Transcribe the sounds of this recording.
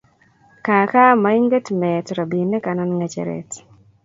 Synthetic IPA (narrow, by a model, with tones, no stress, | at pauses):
ka˨ka˦ma˨i˦ŋɡe˦tmɛtɾa˨bi˨nɛ˦ka˨na˦nŋa˨t͡ʃḛ˨ɾɛ̰t